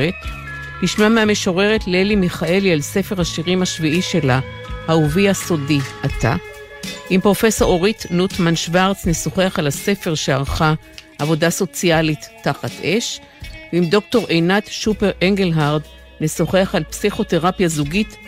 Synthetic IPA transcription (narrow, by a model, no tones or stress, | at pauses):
et | liʃmameame̞ʃo̞ʁe̞ʁetlelimiχaʔe̞lialse̞fe̞ʁhaʃiʁimhaʃviʔiʃe̞la | hauviaso̞diʔat̪a̰ | ʔimpʁo̞fe̞so̞ʁo̞ʁit̪nut̪manʃvaʁt͡sneso̞χe̞aχalase̞fe̞ʁʃeaʁχa | ʔavo̞daso̞t͡sialitːaχat̪ʰʔeʃ | veimd̪o̞k̚to̞ʁʔejnat̪ʃupe̞ʁeŋɡelɦaʁd̪ | neso̞χeaχalpsiχo̞te̞ʁapjazuɡit̪